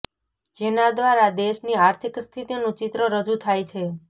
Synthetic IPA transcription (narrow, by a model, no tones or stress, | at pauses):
d͡ʒenad̪ʋaɾad̪eʃniaɾt̪ʰikst̪ʰit̪inũt͡ʃit̪ɾəɾəd͡ʒut̪ʰajt͡ʃʰe